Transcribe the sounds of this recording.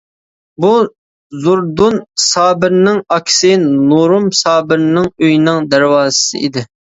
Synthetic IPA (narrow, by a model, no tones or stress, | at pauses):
bu | zuɾd̪unsɑːbɪɾnɪŋɑkʲʰɪ̥sɪnuɾumsɑːbɪɾnɪŋøjnɪŋd̪æɾwɑːzɨsɨ̰ʔid̪ɪ